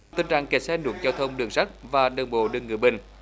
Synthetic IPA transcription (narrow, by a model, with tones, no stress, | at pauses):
t̪ï˨˩ŋ̟t͡ɕa̰ː˧˨ŋkɛ˨˩sɛ˧nnu˨˩˦ək̚zaː˧wt̪ʰə˧wŋ͡mɗɨ˨˩əŋsa˦˥k̚vaː˨˩ɗɨ˨˩əŋɓo̰˧˨ɗɨ˨˩əŋːɨ˨˩əjɓï˨˩ŋ̟